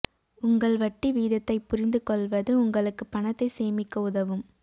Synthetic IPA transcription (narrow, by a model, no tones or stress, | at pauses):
ʊŋɡɐɭʋɐʈːiʋiːðɐt̪ːɐɪpːʊrɪnd̪ɯkɔɭʋɐðɯʊŋɡɐɭɯkːɯpːɐnɐt̪ːɐɪseːmɪkːɐʊðɐʋɯm